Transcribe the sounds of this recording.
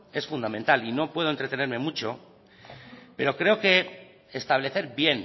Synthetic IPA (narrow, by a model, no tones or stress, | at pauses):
e̞sfund̪amẽnt̪alino̞pwe̞ðoent̪ɾe̞t̪e̞neɾmẽ̞mut͡ʃo̞ | pe̞ɾo̞kɾe̞o̞ke̞ | est̪aβ̞le̞θe̞ɾbje̞n